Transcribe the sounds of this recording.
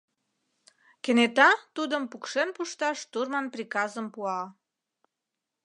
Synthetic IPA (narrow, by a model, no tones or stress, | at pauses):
kenet̪ɑt̪ud̪əmpukʃenpuʃt̪ɑʃt̪urmɑnprʲikɑzəmpuɑ